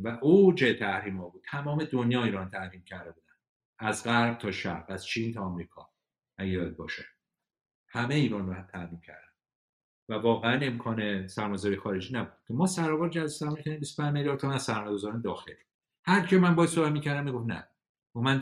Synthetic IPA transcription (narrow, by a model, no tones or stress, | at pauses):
væʔod͡ʒet̪ʰæhɾiːmhɒːbuːd̥̪̚t̪ʰæmɒːme̞d̪onjɒːiːɾɒːnt̪ʰæhɾiːmcʰæɾd̪e̞buːd̪æn | æzɢæɾɡ̚t̪ʰɒːʃæ̰ɾbæz̥t͡ʃʰint̪ʰɒːmɾiːkʰɒ̰ː | æɡeɒd̪̚bɒ̰ːʃe | hæmeiːɾɒːnɾoæt̪ʰæhɾiːmcʰæ̰ɾd̪æn | vævɒːɣeæne̞mkʰɒːnesæɾmɒjezɔɾijexɒːɾe̞d͡ʒiːnæbud̪̥̚cʰemɒːsæɾɒːvɒːɾd͡ʒæsæɾmɒːjecʰæd̪imbistopʰæ̃ɲd͡ʒmeljɒːɾt̪ʰomæsæɾmɒːjeɡo̞zɒɾæmd̪ɒːxel | hæɾkʰemænbɒːjæsobæt̪miːcʰæɾd̪æmːiɡofnæ̰ | umæn